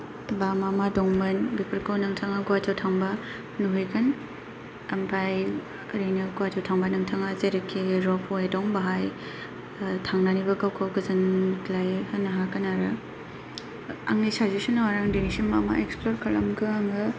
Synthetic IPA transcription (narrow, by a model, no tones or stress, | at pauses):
tbamamadɔŋmɐnbipɐɾkʰawnɐŋtʰaŋaɡuwatawtʰaŋba | nuɦɯjkɯn | ɐmpʰaj | ɾijnɐɡuwatʰawtʰaŋbanɐŋtʰaŋazeɾekʰːiɾɔpʰoedɔŋbaɦaj | tʰaŋnanibɐɡawkʰawɡɯzɐnklajhɯnɐɦakanaɾɯ | a̰ŋisazisinawaɾaŋdinisimama̰eksploɾkʰalɐmɡɯaŋɯ